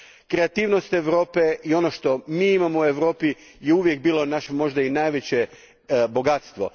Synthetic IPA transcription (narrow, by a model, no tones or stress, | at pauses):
kɾe̞at̪iːʋnost̪e̞ʋɾo̞ːpe̞io̞noʃt̪o̞miːimamoue̞ʋɾo̞ːpi | jeuʋje̞k̚biːlo̞naʃemo̞ʒd̪ainajʋe̞t͡ɕe | bo̞ɡat̪st̪ʋo̞̰